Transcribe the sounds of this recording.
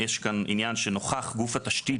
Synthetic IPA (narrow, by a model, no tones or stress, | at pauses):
jeʃkanḭnjanʃenoχaχɡufataʃti